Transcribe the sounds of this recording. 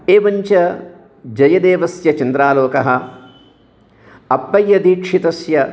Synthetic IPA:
eːʋɐɲt͡ʃɐ | d͡ʒɐjɐd̪eːʋɐsjɐt͡ʃɐnd̪ɾaːloːkɐɦɐ̆ | ɐpːɐjːɐd̪iːkʂit̪ɐsjɐ

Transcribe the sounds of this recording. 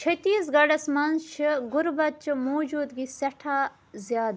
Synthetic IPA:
t͡ʃʰɐt̪iːsɡɐɽɐsmɐnʃɨɡʊɾbɐt̪̚t͡ʃʰimoːd͡ʒuːd̪ɡisɐʈʰaː | zjaːd̪

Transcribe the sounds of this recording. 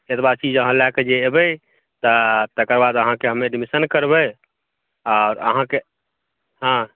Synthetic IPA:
et̪bad̪̚t͡ʃid͡ʒəɦãlaked͡ʒeːbɛ | t̪ət̪əkəɾbad̪əɦãkeɦəmeɖmisənkəɾbɛ | ɔʊɾə̰ɦãke | ɦã

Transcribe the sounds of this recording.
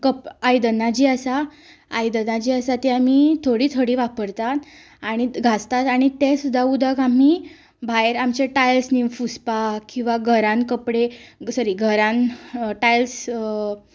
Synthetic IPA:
kəpajd̪ənːad͡ʑiːəsaː | jd̪ənad͡ʑiːəsat̪eam̤it̪ʰoɽiːt̪ʰoɽiːʋapəɾt̪at̪ | aɽ̃iɡʱast̪at̪aɽ̃it̪esud̪ʱːaud̪ʱəkami | bʱaeɾamt͡ɕeʈajlsnifuspakĩw̃ʋaɡʱəɾãnkəpɽesəɾiːɡʱəɾãnʈajls

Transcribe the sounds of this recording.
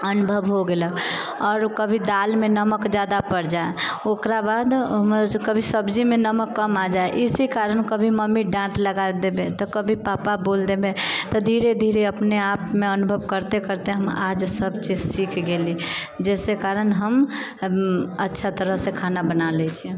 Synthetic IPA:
ənubʱəʋɦoɡeləkʰ | ɔːɾkəbʱid̪almenəməkd͡ʒad̪apəɾd͡ʒaeokɾabad̪ɦəmkəbʱisəbd͡ʒimenəməkːəmad͡ʒaeʔisikaɾənkəbʱiməmːiɖãʈləɡad̪ebet̪ɔkəbʱipapabold̪ebet̪ɔd̪ʱiɾed̪ʱiɾeəpneapmeənubʱəʋkəɾt̪ekəɾt̪eɦəma̰d͡ʒsəbt͡ʃid͡ʒsikʰɡeli | d͡ʒɛsekaɾənɦəm | ətːʃʰat̪əɾəɦsekʰanabənalɛt͡ʃʰi

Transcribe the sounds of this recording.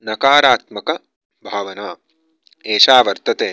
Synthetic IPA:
nɐkaːɾaːt̪mɐkɐ | bʱaːʋɐnaː | eːʃaːʋɐɾt̪ɐt̪eː

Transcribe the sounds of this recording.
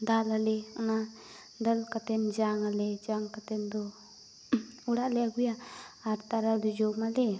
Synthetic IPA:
d̪alalɛana | d̪əlkat̪ɛnd͡ʒaŋaled͡ʒaŋkat̪ɛnd̪ɔ | uɽaʔlɛaɡujaːɾt̪aɾad̪ud͡ʒɔmale

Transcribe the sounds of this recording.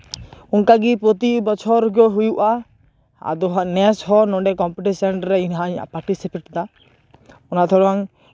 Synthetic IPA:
uŋkaɡipɾɔt̪ibɔt͡ʃʰɔɾɡɔɦujuʔa | a̰d̪ɔɦanɛsɦɔnɔɖɛkɔmpiʈisɔnɾɛinɦaɲa̰ʔpaɾʈisipɛʈd̪a | ɔnat̪ʰɔɽaŋ

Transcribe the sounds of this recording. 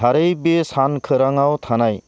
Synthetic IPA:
aɾejbesankʰɯɾaŋawt̪ʰanaj

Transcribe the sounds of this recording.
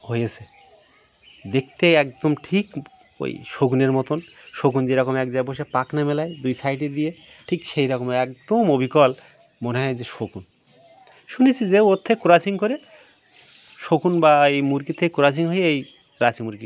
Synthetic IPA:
ɦojet͡ɕʰe | d̪ek̚ʰt̪eɛkd̪omʈʰik | o̰jʃoɡuneɾmɔt̪on | ʃoɡund͡ʑeɾɔkomɛk̚d͡ʑajboʃepaknamelajd̪ujsʰajʈ̬ed̪ije | ʈʰikʃejɾɔkomeɛk̚d̪omobʱikɔl | moneɦɔed͡ʑeʃokun | ʃunit͡ɕʰid͡ʑeot̪ʰːekuɾat͡ɕʰiŋkoɾe | ʃokunbaejmuɾkit̪ʰeekuɾat͡ɕʰiŋɦojej | ɾat͡ɕimuɾki

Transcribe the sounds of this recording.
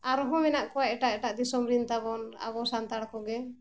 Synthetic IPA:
aɾɔɦɔ̃mɛnaʔkɔwaʔɛʈaʔɛʈaʔd̪isɔmɾint̪abɔna̰βɔsant̪aɽkɔɡɛ

